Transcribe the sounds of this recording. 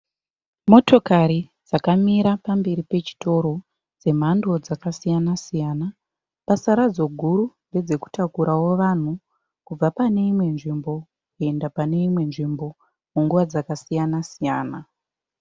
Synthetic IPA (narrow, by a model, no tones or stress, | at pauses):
mo̞to̞kaɾid͡zakamiɾapambe̞ɾipe̞t͡ʃi̥to̞ɾo̞ | d͡ze̞m̤ando̞d͡zakasijanasijana | pasaɾad͡zo̞ɡʱuɾunɡe̞d͡ze̞ku̥takuɾawo̞ʋan̤u | kub͡vapane̞imwe̞nʐimbo̞ | kue̞ndapane̞imwe̞nʐimbo̞ | muŋɡuʋad͡zakasijanasijaːna